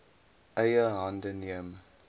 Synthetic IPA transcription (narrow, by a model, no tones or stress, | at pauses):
ʔœjəɦɐndəniəm